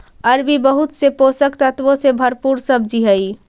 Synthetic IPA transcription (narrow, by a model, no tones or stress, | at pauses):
əɾbibəɦut̪seposəkt̪ət̪ʋõsebʱəɾpuɾsəb̚d͡ʒiɦəi